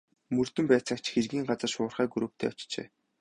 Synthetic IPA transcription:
mɵrt̪ɵ̆mpæːt͡săkt͡ɕxerɣiːŋɢat͡sə̆rʃʊ̆ːrχæːɡuɾoːk̚t̪ʰḛːɔt͡ɕt͡ɕḛː

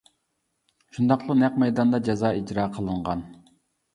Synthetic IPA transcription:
ʃund̪ɑqlˠʊnɛq̚mɛjd̪ɑnd̪ɑd͡ʒɑzɑːid͡ʒɾɑːqʰəlˠɨɴʁɑn

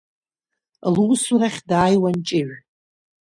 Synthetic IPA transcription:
lusuɾaχʲdaːjwant͡ʃʼɪʕʷ

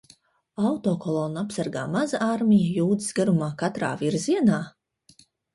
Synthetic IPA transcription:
awt̪oːkɔlˠoːnapsaɾɡa̰ːmazaʔaɾmʲijajuːd̪isɡaɾumaːkat̪ɾa̰ːviɾziɛnaː

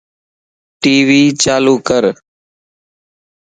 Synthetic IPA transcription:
ʈiːʋiːt͡ʃaːluːkəɾ

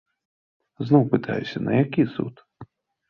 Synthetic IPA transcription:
znɔwpɨt̪ʰa̰jʊsʲɐnɐjakʲisṵt̪

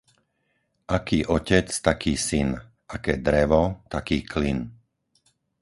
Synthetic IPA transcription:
ʔakiːʔɔcɛt͡st̪akiːsin | akɛːd̪ɾɛʋɔt̪akiːklin

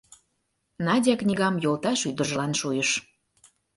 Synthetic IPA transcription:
nɑdʲɑknʲiɣɑmjolˠt̪ɑʃyd̪əʒəlɑnʃujəʃ

